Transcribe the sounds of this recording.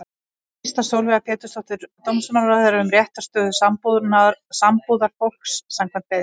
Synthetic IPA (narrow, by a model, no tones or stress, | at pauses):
st̪asowlvɛɣapɛːt̪ʏ̥st̪ɔht̪ʏɾt̪ʰowmsɔnaaðɛɾaʏmrjɛht̪ḁst̪œːðʏsampuðnaɾsampuðaɾ̥fowl̥ksːamkʰvɛnt̪peːð